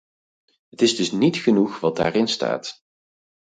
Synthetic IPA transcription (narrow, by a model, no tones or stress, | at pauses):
ɦətɪzdɵsnitχənuχʋɑt̚da̰ːrɪnsta̰ːt